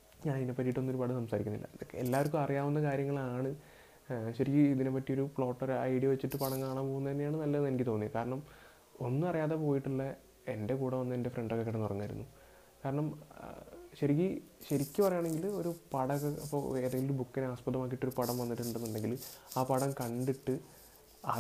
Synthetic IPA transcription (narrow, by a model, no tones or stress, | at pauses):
ɲaːniinepːɐɾijiʈːuɐnːo̞ɾupɐɽɨsɐmsaːɾikʲːunːḭlːɐ̰ḛlːaːʋɐɾk̬ʲːumɐrijaːʋunːɐkaːɾjɐŋːɐɭaːɳɨ | ɕɐɾikʲːɨiðinepːɐʈːijoɾufɭo̞ːʈːɐɾɐ̰jɽijɐʋɐt͡ɕːiʈːɨpɐɽɐŋkaːɳaːmpoːɣunːɐenːijaːɳɨnɐlːɐnenikʲːit̪o̞ːnːijɐkaːɾɐɳɐm | o̞nːɨɐrijaːðe̞po̞ːjiʈːuɭːɐ | e̞nde̞kuːɽɐʋɐnːɐende̞freɳɖokːekːeɽɐnːpɐrɐɲːajiɾṵnːu | kaːɾɐɳɐm | ɕɐɾik̬ʲːɨ | ɕɐɾikʲːɨpɐrɐjaːɳe̞ŋɡilo̞ɾupɐɽɐɣɐɐpːo̰e̞ːðeŋɡioɾubukːinaːspɐðɐmaːk̬ːiʈːo̞ɾupɐɽɐmʋɐnːiʈːuɳɖenːɐɳɖe̞ŋɡilaːpɐɽɐmkɐɳɖiʈːɨ | ɐ